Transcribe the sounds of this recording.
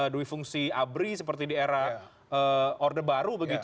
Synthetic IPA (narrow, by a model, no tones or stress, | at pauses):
əduwifuŋsiabɾisəp̬ərt̪idieɾah | əordəbaɾubəɡit̪